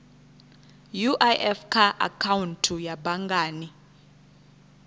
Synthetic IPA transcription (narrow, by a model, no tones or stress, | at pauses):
juʔajʔɛfkʰaʔa̰kʰawuntʰujabaŋɡaːni